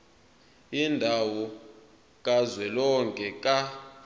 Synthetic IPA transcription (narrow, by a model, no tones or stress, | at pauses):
indʱawɔ | k̬ʼazwɛlɔŋkʼɛkʼa